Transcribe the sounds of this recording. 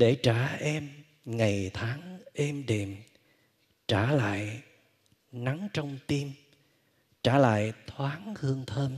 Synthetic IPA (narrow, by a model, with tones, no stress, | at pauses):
ɗe˧˩t͡ɕaː˧˩ʔɛ˧m | ŋa˨˩jt̪ʰaː˨˦ŋʔɛ˧mɗe˨˩m | t͡ɕaː˧˩la̰ː˧˨j | na˨˦ŋt͡ɕɔ˧wŋ͡mt̪i˧m | t͡ɕaː˧˩la̰ː˧˨jt̪ʰwaː˨˦ŋhɨ˧əŋt̪ʰəː˧n